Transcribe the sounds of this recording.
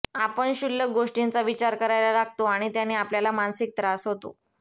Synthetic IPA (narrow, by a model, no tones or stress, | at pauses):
apəɳɕulːəɡoʂʈint͡saʋit͡ɕaɾkəɾajlalaɡ̚ʱt̪oaɽ̃it̪janːiapljalamansik̚t̪ɾasɦot̪o̰